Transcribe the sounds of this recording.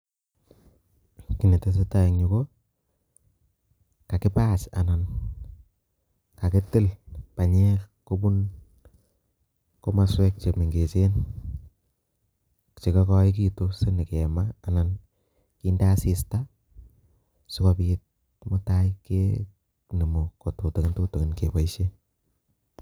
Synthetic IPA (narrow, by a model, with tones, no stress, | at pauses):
kɪ˨ne˨te˦s̬e˦ta˦i˨ŋɲʊ˨ko˦ | ka˨kɪ˦paː˦t͡ʃa̰˨na˨n | ka˨ke˦tɪ˦lpa˨ɲɛ˦kko˦bu˦n | ko˦ma˨swɛ˦k̚t͡ʃe˨mi˨ŋɡe˨t͡ʃe˦n | t͡ʃe˨kɔ˦kɔ˦i˦k̬i˦to˦se˦ni˨ke˨maː˦˨na˨n | kiː˦nda˦si˦sta˦ | sʊ˦kɔ˧pi˦t̚ | mʊ˦ta˦ike | ni˨mo˨ko˨tu˨to˨kɪ˦ntu˦to˨kɪ˨nke˨ba˨iʃe˦